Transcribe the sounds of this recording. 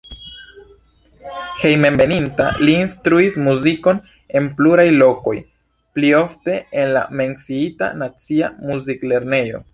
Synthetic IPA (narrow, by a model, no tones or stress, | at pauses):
he̞jmembe̞ninta̰liːnstɾuismuziko̞n | enpluɾajlo̞ko̞j | plio̞fte̞enla̰me̞nsiita̰nat͡siamuzikle̞ɾne̞jo̞̰